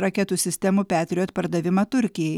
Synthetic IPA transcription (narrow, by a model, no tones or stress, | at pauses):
ɾɐkʲɛt̪uːsʲɪsʲt̪ʲɛmuːpʲæːt̪ʲɾʲɪjoːt̪pɐɾd̪ɐʋʲɪmɐt̪ʊɾʲkʲɪjɛj